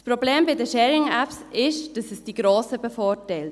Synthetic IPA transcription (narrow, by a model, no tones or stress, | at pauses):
spɾobleːmbɪdəʃɛːɾɪŋæpsɪʃd̥ɑsəsd̥iɡɾoːsəbəfoːɾtɛɪlt